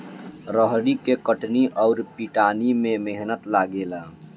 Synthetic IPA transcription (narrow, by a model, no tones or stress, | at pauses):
ɾəɦɽikekəʈniʔɔʊɾpiʈaːnimẽmeɦnət̪laːɡelaː